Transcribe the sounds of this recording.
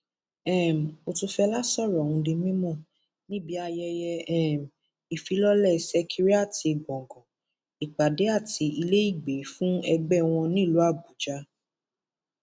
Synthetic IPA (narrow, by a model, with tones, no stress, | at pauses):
ɛ˦˨m̩˨o˧tu˧fɛ˧la˦sɔ˦˨ɾɔ˨ũ˧di˧mĩ˦mɔ̃˦˨ | nĩ˦bi˨˦a˧jɛ˧jɛ˧ɛ˦˨m̩˨ | i˨fi˨˦lɔ˦lɛ˦˨sɛ˦kʰi˧ɾi˦a˦˨ti˧˨ɡ͡bɔ̃˨ŋ˨ɡɔ̃˨ | i˨k͡pa˨de˨˦a˦˨ti˨˧i˧le˦i˦˨ɡ͡be˨˦fũ˦ɛ˧ɡ͡bɛ˦w̃ɔ̃˧nĩ˦˨lu˨˦a˦˨bu˨˦d͡ʒa˧˦